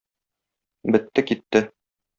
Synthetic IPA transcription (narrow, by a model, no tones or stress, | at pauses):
bɘ̆t̪ːɘkit̪ːɘ